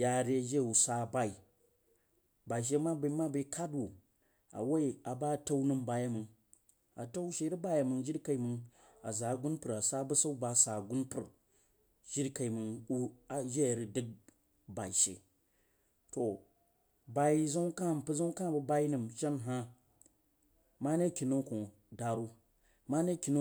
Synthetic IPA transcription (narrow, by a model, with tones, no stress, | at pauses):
ja˨ɾi˦a˨d͡ʒe˦˨u˨sa˦˨ba˦i˨ | ba˨i˨ʃ̬e˦ma˦bə˨˦ma˦bi˨˦kʰa˦dwu˨ | a̰˨wa˦i˦a˨ba˦˨ta˦u˦nɨ˨mba˨ja˦mɨ˨ŋ | a˨ta˦wʃe˦ɾi˦ba˦ja˨mɨ˨ŋd͡ʒi˦ɾka˨i˨mɨ˨ŋ | a˨za˨ɡu˦npɨ˨ɾa˨sa˦bə˦sa˦u˦ba˨sa˨ɡu˦npɨ˨ɾ | d͡ʒi˦ɾka˨i˨mɨ˨ŋu˦a˨d͡ʒe˦˨ɾi˨dɨ˦k̚ | ba˨i˨ʃḛ˨ | to˨ | ba˨i˦zu˦ŋ˦ka˦˨m˨pɨ˦zu˦ŋ˦ka˦˨bɨ˦ba˦i˦nɨ˨mʃa˦nɦa˦ | ma˦ne˦˨kʲi˨no˦ko˨ | da˨ɾu˦ | ma˦ne˦˨kʲi˨n˦